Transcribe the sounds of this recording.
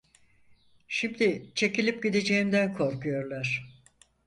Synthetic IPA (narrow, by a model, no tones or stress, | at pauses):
ʃimd̪it͡ʃʰe̞cilʲip̚ɟid̪e̞d͡ʒe̞jimd̪ænkʰo̞ɾkujo̞ɾlˠaɾ̥